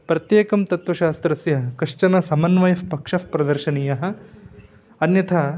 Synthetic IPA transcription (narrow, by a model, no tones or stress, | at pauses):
pɾɐt̪jeːkɐmt̪ɐt̪ʋɐʃaːst̪ɾɐsjɐkɐʂt͡ʃɐnɐsɐmɐnʋɐjɐfpɐkʂɐfpɾɐd̪ɐɾʃɐnijɐɦɐ̆ | ɐnjɐt̪ʰɐ